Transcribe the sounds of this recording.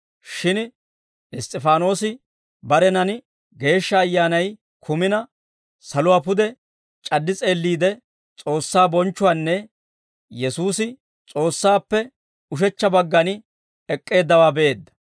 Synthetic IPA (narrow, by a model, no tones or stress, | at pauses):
ʃɪn | ɪst̪ʼːɪfaːno̞ːsɪ | bɐɾɛnɐnɪ | ɡe̞ːʃːɐːjːaːnɐj | kʰʊmɪnɐ | sɐlʊwaːpʊd̪ɛ | t͡ʃʼɐdːɪt͡sʼe̞ːlːiːd̪ɛ | t͡sʼo̞ːsːaːbɔnt͡ʃːʊwaːnːɛ | jɛsuːsɪ | t͡sʼo̞ːsːaːpːɛ | ʊʃ̬ɛt͡ʃːɐbɐɡːɐn | ɛkʼːe̞ːd̪ːɐwaːbɛʔe̞ːd̪ːɐ̥